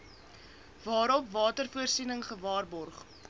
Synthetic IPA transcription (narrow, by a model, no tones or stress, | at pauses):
vɑːɾɔpvɑːtərfuərsinəŋχəvɑːrbɔrχ